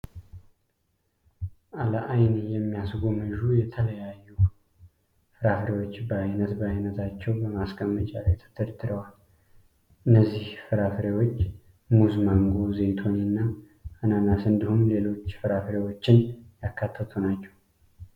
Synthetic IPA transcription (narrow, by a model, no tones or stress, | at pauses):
ʔaləʔajnjɛmːijasɡomɨʒujɛt̪ʰələjajːu | fɨɾafɾewo̞t͡ʃːbəajnət̪bəajnət̪ʰat͡ʃːɛwbəmaskʼəmːət͡ʃʼalajt̪ʰɨ̥t̪ʰɨɾd̪ɨɾəwal | ʔɨnːəzːihfɨɾafɾewo̞t͡ʃː | muzmaŋɡo̞zet̪ʰo̞ninːa | ananasɨnd̪ihumle̞lo̞t͡ʃːfɨɾafɾewo̞t͡ʃːɪnjakːat̪ʰːət̪ʰunat͡ʃːɛw